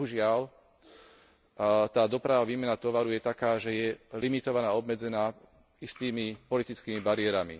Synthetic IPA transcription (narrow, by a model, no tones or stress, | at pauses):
ɦuʒɪal | t̪aːd̪ɔpɾaʋaʋiːmɛnat̪ɔʋaɾujɛt̪akaːʒɛjɛlimit̪ɔʋanaːɔbmɛd͡zɛnaː | ist̪iːmipɔlit̪it͡skiːmibaɾɪɛɾamḭ